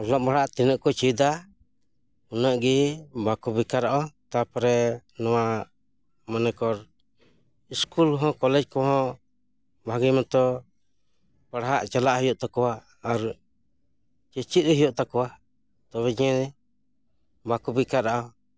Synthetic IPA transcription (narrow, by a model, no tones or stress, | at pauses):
ɔɾlɔʔbaɽaʔt̪inəʔkɔt͡ʃid̪a | unəʔɡibakubikaɾaʔɔt̪apɾɛnɔwa | manɛkɔɾ | iskulɦɔ̃kɔlɛd͡ʒkɔɦɔ̃ | bʱaɡijmɔ̃t̪ɔ | paɽɦaʔt͡ʃalaʔɦijɔʔt̪akɔwaː | ɾ | t͡ʃɛt͡ʃit̪̚ɾɛɦijɔʔt̪akɔwa | t̪ɔβɛɲɛ | bakubikaɾaʔɔ